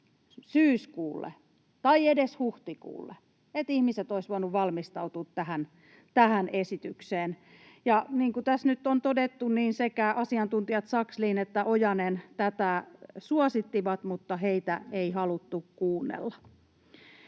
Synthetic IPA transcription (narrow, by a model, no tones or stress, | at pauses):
syːskuːlːḛ | t̪ɑiedeshuht̪ikṵːlːḛ | et̪ihmiset̪oisʋuɑnːuʋʋɑlmist̪ɑut̪uːt̪tæhæn | t̪æhænesit̪ykseːn | jɑniːŋkut̪æsnyt̪ːont̪odet̪ːunniːnsekæʔɑsiɑnt̪unt̪iɑt̪sɑksliːnet̪ːæʔojɑnent̪æt̪æsuɑsit̪ːiʋɑt̪mut̪ːɑheit̪æeihɑlut̪ːukkuːnːḛlːɑ